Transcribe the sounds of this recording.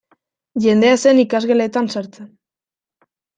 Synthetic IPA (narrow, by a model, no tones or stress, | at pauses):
ʝe̞nd̪e̞ase̞nikazɣele̞t̪ansaɾt͡sen